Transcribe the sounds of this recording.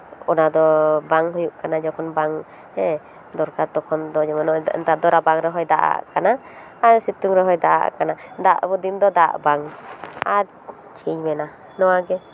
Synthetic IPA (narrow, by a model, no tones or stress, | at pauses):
ɔnad̪ɔbaŋɦujuʔkanad͡ʒɔkʰɔnbaŋ | hɛ | d̪ɔɾkaɾt̪ɔkʰɔnd̪ɔd͡ʒɔmanɔ̰nt̪ad̪ɔɾabaŋɾɛɦɔjd̪aʔa̰ʔkanaː | sit̪uŋɾɛɦɔjd̪aʔa̰kanad̪aʔbɔd̪imd̪ɔd̪aʔbaŋaɾ | t͡ʃʰiɲmɛna | nɔwaɡɛ